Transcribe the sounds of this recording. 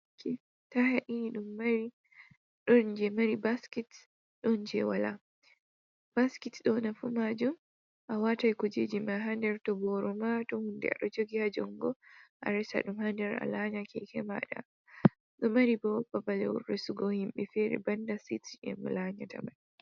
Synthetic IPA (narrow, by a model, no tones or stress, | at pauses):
kʰɛ | tahaʔinɗumːaɾi | ɗɔnd͡ʒɛmaɾibaskɛt | ɗɔnd͡ʒɛwala | b̥askitɗɔnafumad͡ʒum | ʔawatajkud͡ʒɛ̰d͡ʒimaɦandɛɾtɔbɔɾɔmatɔhundɛ̰a̰ɗɔd͡ʒoɡihad͡ʒɔŋɡɔʔa̰ɾɛsa̰ɗumhandɛɾa̰laɲakɛkɛma̰ɗa̰ | ɗɔmaɾibɔbabalɛwrɛsuɡɔhimɓɛfɛɾɛ̰bandasitɛ̰mṵlaɲata̰man